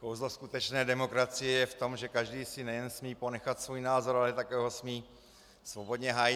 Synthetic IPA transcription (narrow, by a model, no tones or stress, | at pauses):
kowzloskut̪ɛt͡ʃnɛːdɛmo̞kɾat͡sɪjɛjɛft̪o̞mʒɛkaʒdiːsɪnɛjɛnsmiːpo̞nɛxat̪svuːjnaːzo̞ɾalɛt̪akɛɦosmiː | svo̞bo̞d̪ɲɛɦaːjɪ